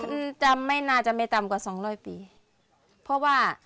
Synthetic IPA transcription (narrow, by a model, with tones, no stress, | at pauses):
t͡ɕa˧mːa˥˩jnaː˧˩t͡ɕa˨˧˨ma˥˩jt̪a˨mkwaː˨˩sɔː˨˩˦ŋɾɔː˧˥˩jpiː˨˩ | pʰɔ˧˥waː˧˥˩